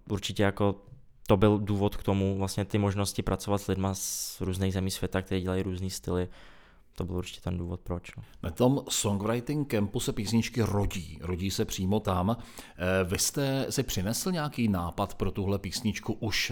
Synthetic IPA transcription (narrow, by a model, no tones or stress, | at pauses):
ʔuɾt͡ʃɪcɛjako | t̪obɪlduːvot̪kt̪omuvlast̪ɲɛt̪ɪmoʒnoscɪpɾʔat͡sovat̪z̥lɪdmasɾuːzniːɣzɛmiːsvjɛt̪ak̚t̪ɛɾiːɟɛlajiɾuːzniːst̪ɪlɪ | t̪obɪluɾt͡ʃɪ̥cɛt̪ɛnduːvot̪̚pɾot͡ʃnonat̪o̞msoŋɡvɾajt̪ɪŋkɛmpusɛpiːsɲɪt͡ʃkɪɾo̞ɟḭːɾoɟiːsɛpr̝̥iːmo̞t̪am | vɪst̪ɛsɪpr̥ɪnɛsl̩ɲɛakiːnaːpat̪pɾo̞t̪uɦlɛpiːsɲɪt͡ʃkuʔuʃ